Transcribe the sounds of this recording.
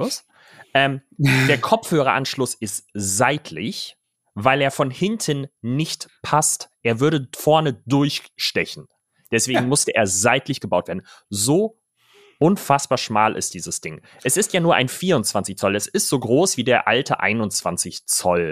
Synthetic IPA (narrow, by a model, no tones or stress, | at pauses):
ʊs | ʔɛːmd̥eːɐkʰɔp͡fhøːʁɐʔanʃlʊsɪstzaɪtʰlɪç | vaɪleːɐfɔnhɪntʰənnɪçtpʰastʔeːɐvʏɐɾəfɔɐnədʊɐçʃtɛçn̩ | d̥ɛsv̥eːɡŋ̩mʊstəʔḛːɐzaɪtlɪçɡ̥əbaʊtv̥eɐdn̩zoː | ʔʊnfasb̥aːɐʃmaːlʔɪ̰st̚d̥iːzəsd̥ɪŋ | ʔɛsɪstjaːnuːɐʔa̰ɪnfiːɐʁʊnt͡sv̥ant͡sɪçt͡sɔlɛsɪstz̥oːɡʁoːsv̥iːdeːɐʔaltʰəʔa̰ɪnʊnt͡sv̥ant͡sɪçt͡sɔl